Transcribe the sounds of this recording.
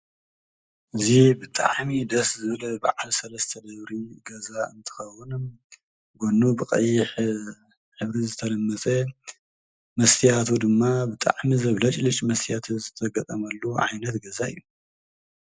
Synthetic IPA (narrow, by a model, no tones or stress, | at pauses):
ʔɨzibɨt̪ʼa̰ʕmid̪ɐszɨβlɐba̰ʕalsɐlɐst̪ʰɐd̪ɐβɾiɡɐzaɨnt̪ʰɨ̥xɐwʊnm | ɡonːubɨkʼɐ̰jːɪħ | ħɨβɾizɨt̪ʰɐlɐmːɐt͡sʼe | mɐst̪ʰijat̪ʰud̪ɨmːabɨt̪ʼa̰ʕmizɐβlɐt͡ʃʼlɨt͡ʃʼmɐst̪ʰijat̪ʰuzɨt̪ʰɐɡɐt̪ʼɐmɐlːuʕa̰jnɐt̪ɡɐzaɨ̰jːu